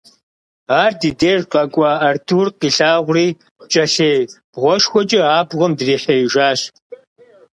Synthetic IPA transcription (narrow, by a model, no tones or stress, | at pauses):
aːrdiːdeːrqʼɐkʷʼɑɐrtʰuːrqiːɬaːʁʷʊriː | t͡ʃʼɐɬeːb̥ʁʷɔʃxʷɔt͡ʃʼɪaːbʁʷəmdriːħeiʒaːɕ